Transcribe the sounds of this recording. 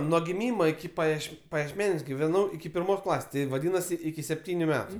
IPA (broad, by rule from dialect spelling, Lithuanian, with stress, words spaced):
nuɔ ɡʲɪˈmʲiːmoː ɪkʲɪ pɐˈjiɛʃ pɐjiɛʃʲˈmʲæːnʲuɔs ɡʲɪʋʲɛˈnɐʊ ɪkʲɪ pʲɪrˈmoːs ˈklˠɑːsʲeːs ˈtʲɪ ʋɐˈdʲiːnɐsʲɪ ɪkʲɪ sʲɛpʲˈtʲiːnʲʊ ˈmʲæːtʊ